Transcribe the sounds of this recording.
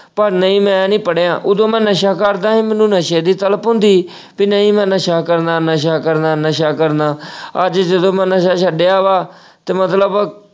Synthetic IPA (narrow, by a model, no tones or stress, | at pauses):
pəɾnəĩːmɛ̃ːnĩːpəɽeːãːʔʊd̪õːmɛ̃ːnəʃaːkəɾd̪ãːɦẽːmɛ̃ːnũːnəʃeːd̪iːt̪ələpʊ̃nd̪iː | pinəĩːmɛ̃ːnəʃaːkəɾnãːnəʃ̬aːkəɾnãːnəʃaːkəɾnãːəd͡ʒd͡ʒəd̪õːmɛ̃ːnəʃaːʃəɖeːaːʋaː | t̪eːmət̪ləb